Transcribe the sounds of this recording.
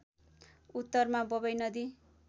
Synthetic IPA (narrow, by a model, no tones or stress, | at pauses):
ut̪ːʌrmabʌbʌjnʌd̪i